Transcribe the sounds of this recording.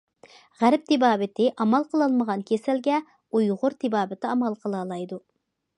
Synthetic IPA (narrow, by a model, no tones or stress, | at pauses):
ʁæɾp̚t̪ʰɪbɑːbɪt̪ʰɪʔɑmɑlˠqʰəlˠɑlˠməʁɑnkʲʰesælɡʲɛ | ujʁʊɾt̪ʰɪbɑːbɪt̪ʰɪɑmɑlˠqʰəlˠɑlˠɑjd̪u